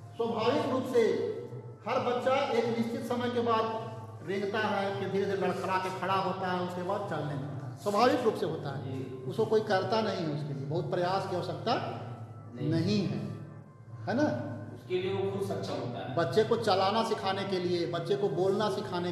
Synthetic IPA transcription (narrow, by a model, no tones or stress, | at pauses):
swəbʱaːʋɪkɾuːpse | həɾbətːʃaeːknɪst͡ʃɪt̪səməjkebaːd̪ | ɾẽːŋɡt̪aɦɛʊsked̪ʱiɾd̪ʱeləɽkʰəɽakekʰəɽaɦoːt̪aɦɛʊskebaːd̪̚t͡ʃɐlnebə̃t̪aɦɛswəbʱaːʋɪkɾuːpseɦoːt̪aɦɛ̰ːʊskokoːikəɾt̪anɐɦĩɦɛʊskeliebɐɦʊt̪̚pɾɐjaːskiɦosək̚t̪a | nəɦĩɦɛ̰ː | hɛːnaʊskelieokʰʊbsɐtːʃʰaɦo̰t̪a̰ɦɛbɐtːʃekot͡ʃəlaːnasɪkʰaːnekeliebɐtːʃekoboːlnasɪkʰaːne